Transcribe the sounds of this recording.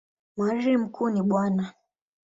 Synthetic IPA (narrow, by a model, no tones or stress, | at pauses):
mwaɾim̩kʰuniɓwana